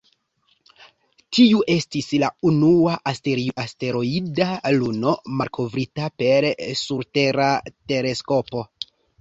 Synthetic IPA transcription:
tiuʔe̞stislaunuaʔasteɾiaste̞ɾo̞idaluno̞maɾkʰo̞vɾitape̞ɾsuɾte̞ɾate̞ɾe̞sko̞po̞

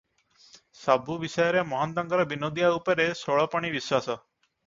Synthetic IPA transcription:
sabʱuʋisɔjɾemɔɦənd̪əŋɡʌɾɔbinod̪ijaupəɾesoɭɔpəɳ̃iʋiswasɔ

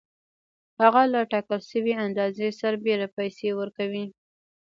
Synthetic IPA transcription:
haɣalaʈɑkəlʃəweand̪ɑzesaɾbeɾapajsewəɾkawi

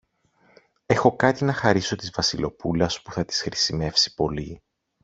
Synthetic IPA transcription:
e̞xo̞kɐt̪inɐxɐɾiso̞t̪izvɐsilo̞pulɐspuθɐt̪i̥sxɾisime̞fsi̥po̞li

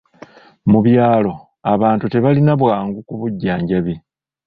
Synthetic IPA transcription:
muβjaːlo̞ | aβaːntute̞βalinaβwaːŋɡukuβuɟːaːɲɟaβe

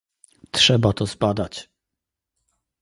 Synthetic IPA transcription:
tʂɛbat̪ɔzbad̪at͡ɕ

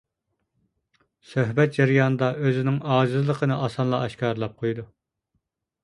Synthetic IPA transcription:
søɦbɛt̪̚d͡ʒɛɾijɑnɨd̪ɑøzɪnɪŋɑːd͡ʒɪzɨlˠəqʰənɨʔɑsɑnlˠɑɛʃkʲɑːɾlˠɑp̚qʰojd̪u

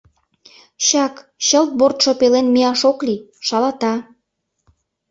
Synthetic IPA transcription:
ɕɑkɕəlt̪̚bort̪ʃŏpelenmeɑʃokliʃɑlɑt̪ɑ

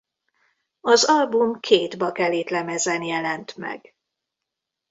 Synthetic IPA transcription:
ɒzɒlbumkʰeːd̪bɒkɛleːt̪lɛmɛzɛnjɛlɛnt̪mɛ̰ɡ

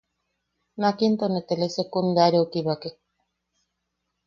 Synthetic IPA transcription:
nakint̪onet̪elesekund̪aɾeokiβake

